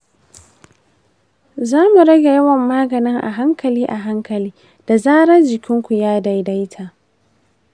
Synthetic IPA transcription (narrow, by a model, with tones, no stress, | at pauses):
zaː˦mu˨ɽɐ˦ɡʲe˨jɐ˦wɐ˨mːaː˦ɡɐ˨nɪ˦ŋʔa̰˨ɦa˦ŋkɐ˨liː˦ʔa˨ɦa˦ŋkɐ˨liː˦ | d̥a˨zaː˦ɽɐ˦rd͡ʒɪ˨kʲɪ˦ŋkʷu˨jaː˦da˦jda˦jtʰaː˨